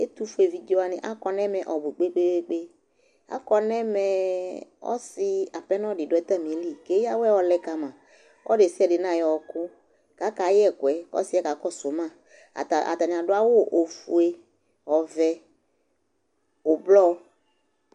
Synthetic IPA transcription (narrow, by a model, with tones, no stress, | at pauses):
e˦t̪u˦fu˦e˨vi˨d͡ʒɔ˦a˦nɪ̰̃˨ʔa̰˦kɔ˨nɛ̃˦mɛ̃˨ʔɔ˨bu˨k͡pe˦k͡pe˦e˦k͡pe˦ | a̰˦kɔ˦nɛ̃˦mɛ̃˨ | ɔ̰˦sɪ˦a˨pɛ˦nɔ̃˦ɖɪ˨dʊ˨˦ɛ˦t̪a˦˨mĩ˨e˦li˦˨ke˦ja˦wɛ˦˨wɔ˨˦lɛ˦ka˨mã˨ | ʔɔ̰˦ɖe˨si˦ɛ˨dɪ˨nã˦˨jɔ˨wɔ˨kʊ˦ | ka˨˦ka˨˦jɛ˦˨kʊ˨ɛ˨ɔ̰˦si˦ɛ˦ka˨kɔ˦sʊ˨˦mã̰˦˨ | ʔa̰˨t̪a˨n˨a˨ɖʊ˦a˦wo˦ʔo˨fu˨e˦ | ɔ˨vɛ˨ | ʊ˨blɔ˦